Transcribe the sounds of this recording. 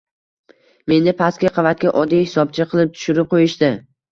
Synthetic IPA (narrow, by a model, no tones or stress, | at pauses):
me̞nɪpʰaskʲaqʰɑvat̪̚kʲaʔɒd̪ijhɪ̥sɒb̚t͡ʃʰɪqʰɨlˠɪp̚t̪ʰʊ̥ʃʊɾɪp̚qʰojɪʃt̪ɪ